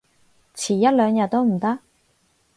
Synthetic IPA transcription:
t͡sʰiː˨˩jɐ˥t̚lœː˨˧ŋjɐ˨˧t̚t̪o˥wm̩˨˩t̪ɐ˥k̚

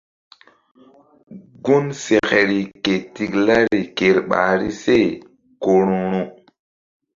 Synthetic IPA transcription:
ɡu˦nse˨ke˨ɾi˨ke˨ti˨kla˦ɾi˨ke˨ɾɓa̰˨ɾḭ˦se˦˨ | ko˨ɾu˨ɾu˨

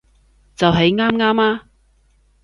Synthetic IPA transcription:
t͡sɐ˨wɦe˨˥jŋaː˥mŋaː˥maː˥

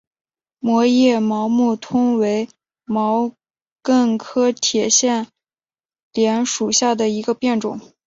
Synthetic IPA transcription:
mwɔ˧˥jɛ˥˩mɑ˧˥ʊmu˥˩t̪ʰʊ˥ŋwe˧˥ɪ | mɑ˧˥ʊ | kə˥˩ŋkʰɤ˥t̪ʰjɛ˨˩ɕjɛ˥˩n | ljɛ˧˥nʂu˨˩ɕja˥˩d̪ə˩i˧˥ɡə˧pjɛ˥˩nʈ͡ʂʊ̰˨˩˦ŋ

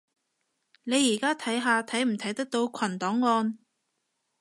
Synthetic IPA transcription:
ne˨˧jːiː˨˩kaː˥t̪ʰɐ˨˥jɦaː˧t̪ʰɐ˨˥jm̩˨˩t̪ʰɐ˨˥jt̪ɐ˥k̚t̪o˧wkʷʰɐ˨˩nt̪ɔː˨˥ŋːɔː˧n

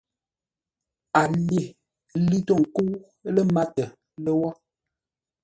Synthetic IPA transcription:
a˨le˨ | li˦to˦˨ŋ̩˨ku˦ | lə˦ma˦tə˨ | lə˦wɔ˦

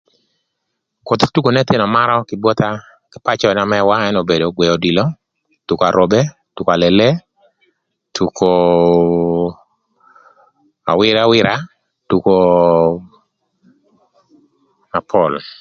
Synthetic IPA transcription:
ko˨t̪tu˦ko˨nɛ˦t̪ɪ˦nɔ˨maɾɔ˦kɪbwɔ˦t̪a˦ | kɪ˦pat͡ʃɔ˦ɛ˨na˨mɛ˦wa˦ɛ˦no˨be˨do˨ɡwe˨o˨di˨lo˦ | tu˨ko˨a˨ɾʔo˨be˦ | tu˨koa˨lele˦ | tʰu˨ko | a̰˨wɪɾawɪɾa˦ | tu˨ko˨ | a˨pʰɔl

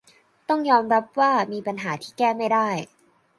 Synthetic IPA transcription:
t̪ɔ˥˩ŋjɔː˧mɾa˦˥p̚waː˥˩miː˧pa˧nɦaː˩˦t̪ʰiː˥˩kɛː˥˩ma˥˩jdaː˥˩j

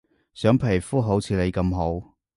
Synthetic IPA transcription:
sœː˨˥ŋpʰe˨˩fuː˥ɦo˨˥wt͡sʰiː˧le˨˧jkɐ˧mɦo˨˥w

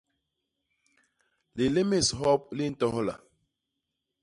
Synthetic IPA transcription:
li˨li˦mi˦˨sɦɔ˦p̚li˦n̩˦tɔ˦hɔ˦la̰˨

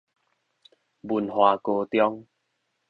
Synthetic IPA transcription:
bu˨˩nhwa˨˩ko˧t̪jɔ˦ŋ

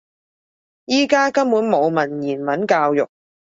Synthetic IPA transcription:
jiː˥kaː˥kɐ˥mmuː˨˥nmo˨˧wmɐ˨˩njiː˨˩nmɐ˨˥nkaː˧wjʊ̰˨˩k̚

